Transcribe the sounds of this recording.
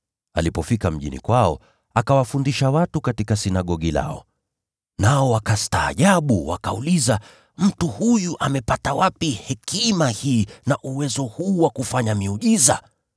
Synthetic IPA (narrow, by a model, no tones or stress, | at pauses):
a̰lipɔfikam̩ʄḭnḭkwaɔ | akawafundiʃawatukatikasinaɠɔɠila̰ɔ̰ | naɔwakasta̰ːʄaɓuwa̰ka̰uliza | m̩tuhujuʔamɛpatawapihɛkimahiːnaʔuwɛzɔhuːwakufaɲamiuʄiza̰